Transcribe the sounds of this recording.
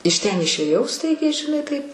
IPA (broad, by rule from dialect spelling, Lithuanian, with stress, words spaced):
ɪʃ ˈtʲɛn ɪʃʲeːˈjɛʊ ˈstɐɪɡʲɛɪ ʒʲɪˈnɐɪ ˈtɐɪp